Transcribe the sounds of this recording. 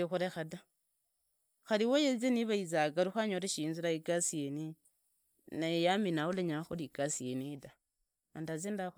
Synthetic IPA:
ixuɾexada | xaɾiwojezeniβaizaɡaɾuxaɲoɾeʃiːnzuɾaiɡasieni | najejaminauleɲaxoliɡ̥asijenida | andazenda

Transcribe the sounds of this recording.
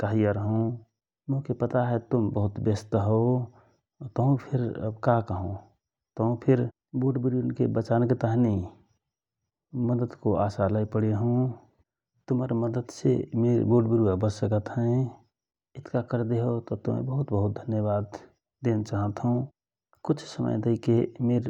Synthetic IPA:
kaɦijəɾəɦũ | mʊ̃kepət̪aɦɛt̪ʊmbəɦʊt̪bəst̪ɦo | t̪əɦũpʰɪɾ̰bkakəɦõ | t̪əɦũpʰɪɾ | boːɖbɪɾuənkebət͡ʃanket̪aɦnei | məd̪əd̪koʔaːsalaipəɽeɦũ | t̪ʊməɾməd̪əd̪sḛmeɾboːɖbɪɾuabəsəkət̪ɦɛ̃ | ɪt̪ʰkakəɾd̪eɦot̪ɔt̪ʊmḛ̃bəɦʊt̪bəɦʊt̪̚d̪ʱənjəbaːd̪ | d̪eːnt͡ʃaɦə̃t̪ɦũ | kʊt͡ʃʰsəmə̰jd̪əikemeːɾ

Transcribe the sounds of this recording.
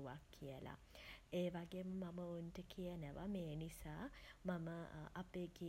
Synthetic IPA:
uʋakʰːijəla̰ | eːʋaɡeməmaməunʈəkʰijənəʋa̰meːnisaːmaməapeɡi

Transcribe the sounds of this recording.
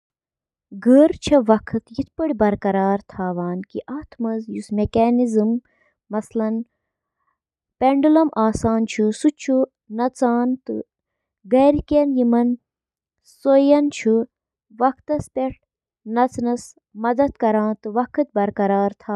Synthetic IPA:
ɡəɾt͡ʃʰɐʋɐkʰɨt̪jit̪̚ʰpɐɽʲbɐɾkɐɾaːɾt̪ʰaːʋaːnkiʔaːt̪ʰmɐzjusmekaːnizɨmː | ɐslɐn | peɳɖulɐmʔaːsaːnt͡ʃʰusut͡ʃʰu | nɐt͡saːnt̪ɨ̰ | ɡɐɾkenjimɐn | sojɐnt͡ʃʰu | ʋɐkʰt̪ɐspʲeʈ̚ʰ | nɐt͡snɐs | mɐd̪ɐt̪kɐɾãːnt̪ɨʋɐkʰɨt̪̚bɐɾkɐɾaːɾt̪ʰaː

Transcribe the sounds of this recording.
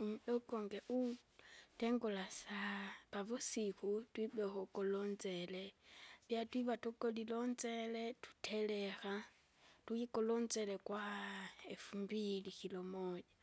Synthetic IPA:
mdokoŋɡeʔu | teŋɡolasaβaβusixutwibexokolonzeleβjatwiβatokolilonzeletu̥tʰelexa | tuikolonzelekwaefumbilixilomoɲa

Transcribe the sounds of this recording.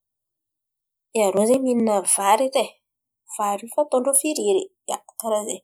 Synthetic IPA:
eaɾonzemininəvaɾite | v̥aɾifat̪oɳɖ͡ʐofiɾiɾi | ḁkaɾaze

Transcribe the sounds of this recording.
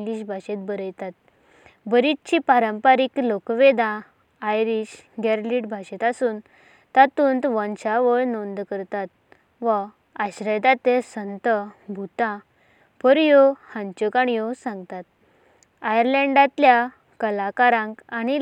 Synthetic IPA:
ŋɡliɕbʱaɕet̪̚bəɾəjt̪at̪̚ | bəɾit̪t͡ɕipaɾəmpaɾiklokʋed̪ãː | jɾiɕɡɛɾliʈbʱaɕet̪asuːn | t̪at̪uːnt̪ʋɔ̃nt͡ɕaʋəɭnond̪kəɾt̪at̪̚ | ʋə | aɕɾəjd̪at̪esənt̪əbʱut̪ã | pəɾjohãɲt͡ɕɔkaɳjɔsãŋɡt̪at̪̚ | ajəɾlɛ̃ɳɖãt̪lja | kəlakaɾãŋkaɽ̃i

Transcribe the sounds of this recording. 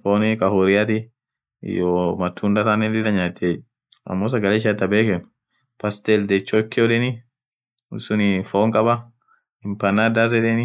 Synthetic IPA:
foːnkʼɐhoɾɪjat̪ɪ̰ | joːmɐt̪ʰːund̪ɐt̪anɛnd̪ɪd̪ɐɲaːt̪ːɪe | ɐ̰mːoːs̬ɐɡɐleːʃ̬ɐt̪ːɐbeːkɛn | pɐst̪ɛld̪ɛt͡ʃːokːɪoᶑɛnɪ | ʊ̰sʊnɪfoːŋkʼɐbɐ | ɪmpɐnad̪az̬ɛᶑ̪ɛnɪ

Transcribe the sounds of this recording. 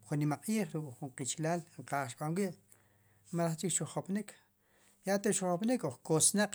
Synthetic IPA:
χunːimaqʼiːχɾukʼχuɴqit͡ʃlaːlɴqaːχʃɓanwiʔ | maɾaχt͡ʃikʃuχopnikʰ | jat̪eʃuχopnikoχkosnaq͡χ

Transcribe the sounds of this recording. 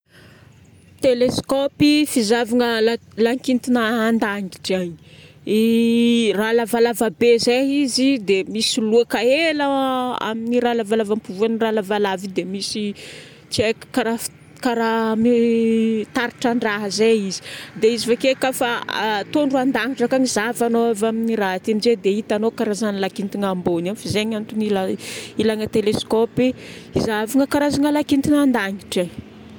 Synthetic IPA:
t̪eleskɔpifizavaŋəlalaŋkint̪inəːnd̪aŋiʈ͡ʂaɲi | i | ralavalavabezeizid̪emisiluakaelaa̰miniɾalavalavampuvuaniralavalavid̪emisi | t͡ʃiekkaɾa | kaɾami | t̪aɾiʈ͡ʂaɳɖ͡ʐaɦəzeizi̥d̪eizifakekafat̪onruand̪aŋiʈ͡ʂakaŋizavanoavaminiɾaɦat̪emized̪eit̪anokaɾazanilakint̪iŋambonamfizeɲant̪unilailaŋət̪eleskɔpi | izaviŋəkaɾazaŋəlakint̪inand̪aŋiʈ͡ʂa

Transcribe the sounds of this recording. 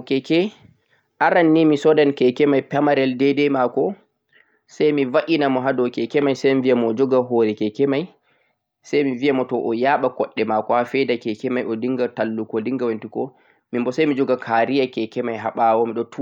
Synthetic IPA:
kɛkɛ | ʔaɾanːimisɔdankɛkɛmajpɛmaɾɛldɛdɛmakɔ | sajmivaʔinamɔɦadɔkɛkɛmajsajmivijamɔːd͡ʒɔɡaɦɔːɾɛkɛkɛmaj | sajmiviamɔtɔʔɔjaːɓakɔɗːɛmakɔhafɛdakɛkɛmajɔdiŋɡatalːukɔliŋɡawantikɔ | mimbɔsajmid͡ʒɔɡakʰaɾijakɛkɛmajɦaɓawɔmiɗɔtʰu

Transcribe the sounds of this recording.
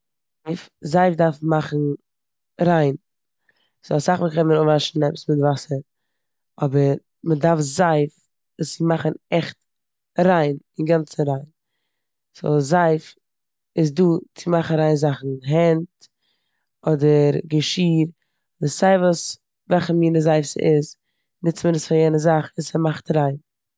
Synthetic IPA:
ɪfzaɪfdaɾfmaχn̩ | ɾaɪn | ɪz̥ɔlˠsaχvəkɛnməɾʊvaʃn̩ɛpə̥smɪtvasəɾ | ɔbəɾ | mədaɾfzaɪf | sɪmaχn̩ɛχt | ɾaɪnɪnɡant͡səɾaɪn | sɔ̰lˠzaɪf | ɪzduːt͡sɪmaχnaɾaɪnzaχn̩ɦɛnt | ɔdəɾɡəʃiːɾ | dɪsaɪvuːs | vɛlˠχəmiːnəzaɪfsə̰ʔɪz | nɪt͡sməɾəsfajɛnəzaχɪsəmaχtɾaɪn

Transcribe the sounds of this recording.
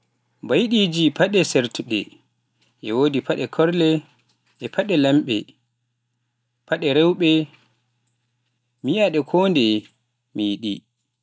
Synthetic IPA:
mbajɗid͡ʒipaɗɛsɛɾtuɗɛ̰ | ʔɛwodipʰaɗɛkʰɔɾlɛ | ʔɛpʰaɗɛlamɓɛ̰ | pʰaɗɛɾɛwɓɛ | mijaɗɛkʰoːndɛ | mijɗḭ

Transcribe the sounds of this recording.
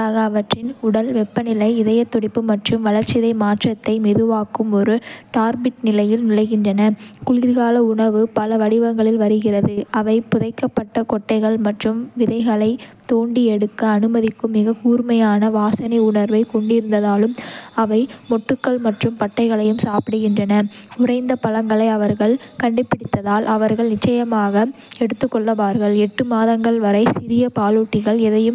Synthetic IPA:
aːɣɐːʋɐʈrɪnʊɽɐlʋɛpːɐnɪlɐɪɪðɐjɐt̪ːɔɽɪpːɯmɐʈrɯmʋɐlɐɾt͡ʃɪðɐɪmaːʈrɐt̪ːɐɪmɛðɯʋaːkɯmɔɾɯʈaːɾbɪʈ̚nɪlɐjɪlnɪlɐɪɣɪndrɐnɐkʊɭɪɾɣaːlɐʊɳɐʋɯpɐlɐʋɐɽɪʋɐŋɡɐɭɪlʋɐɾɯɣɪrɐðɯɐʋɐɪpʊðɐɪkːɐpːɐʈːɐkɔʈːɐɪɣɐɭmɐʈrɯmʋɪðɐɪɣɐɭɐɪt̪oːɳɖiɛɽɯkːɐːnɯmɐðɪkːɯmɪɣɐkuːɾmɐjaːnɐʋaːsɐnɪʊɳɐɾʋɐɪkɔɳɖɪɾɯnd̪ɐðaːlɯmɐʋɐɪmɔʈːɯkːɐɭmɐʈrɯmpɐʈːɐɪɣɐɭɐjɯmsaːpɪɽɯɣɪndrɐnɐʊrɐɪnd̪ɐpɐlɐŋɡɐɭɐɪɐʋɐɾɣɐɭkɐɳɖɪpːɪɽɪt̪ːɐðaːlʔɐʋɐɾɣɐɭnɪt͡ʃːɐjɐmaːɣɐ | ɛɽɯt̪ːɯkːɔɭːɐʋaːɾɣɐɭɛʈːɯmaːðɐŋɡɐɭʋɐɾɐɪsɪɾɪjɐpaːluːʈːɪɣɐɭɛðɐjɯm

